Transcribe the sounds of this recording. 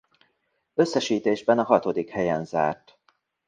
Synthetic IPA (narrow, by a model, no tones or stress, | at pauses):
ø̞sːɛʃiːt̪eːʒbɛnɒɦɒt̪o̞d̪ikhɛjɛnza̰ːrt̪